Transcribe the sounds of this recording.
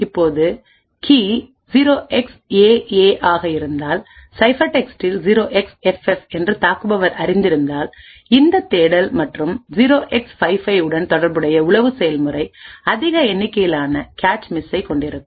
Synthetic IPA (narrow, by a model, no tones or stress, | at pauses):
ɪpːoːðɯ | kiː | d͡ʒiɾoːʔɛkseːeːʔaːɣɐɪɾɯnd̪aːlsɐɪfɐʈɛksʈɪlziɾoːʔɛksɛfɛfɛndrɯt̪aːkɯbɐʋɐɾɐɾɪnd̪ɪɾɯnd̪aːl | ɪnd̪ɐt̪ːeːɽɐlmɐʈrɯmd͡ʒiɾoːʔɛksfɐɪfɐɪɯɽɐnt̪ɔɽɐɾbɯɽɐjɐʊɭɐʋɯsɛjɐlmɯrɐɪɐðɪɣɐɛnːɪkːɐjɪlaːnɐkaːʈt͡ʃmɪsɐɪkɔɳɖɪɾɯkːɯ